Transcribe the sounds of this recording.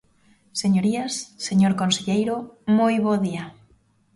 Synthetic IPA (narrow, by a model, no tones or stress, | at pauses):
seɲoɾiasseɲoɾkonseʎejɾomojβoðia